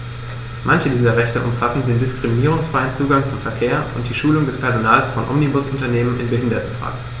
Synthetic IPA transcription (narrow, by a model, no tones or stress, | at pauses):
mʔançədiːzɐʁɛçtəʔʊmfasn̩deːndɪskʁ̥iminiːʁʊŋsfʁ̥aɪənt͡suːɡaŋt͡sʊmfɛɐkʰeːɐʔʊnt̚d̥iːʃuːlʊŋdɛspʰɛɐzonaːlsfɔnʔɔ̰mnibʊsʊntɐneːmənʔɪ̰nbəɦɪndɐtn̩fʁ̥a̰ːɡŋ̩